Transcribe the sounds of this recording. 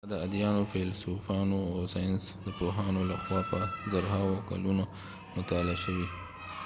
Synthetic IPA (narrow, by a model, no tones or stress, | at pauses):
d̪əad̪jɑnofelsufɑnoawsɑjns | d̪əpoɦɑnolaxwɑpəzaɾɦɑwoka̰luno | mʊt̪ɑlaʃəwi